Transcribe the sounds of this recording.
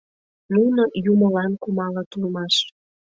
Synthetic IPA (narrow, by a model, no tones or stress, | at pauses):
nunojuməlɑnkumɑlət̪ulmɑʃ